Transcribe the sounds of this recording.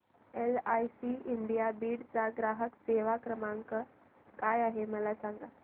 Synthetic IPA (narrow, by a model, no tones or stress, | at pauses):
elajsiiɳɖijabiːɽt͡saɡɾaɦəkseʋakɾəmaŋkə | kajaɦeməlasaŋɡa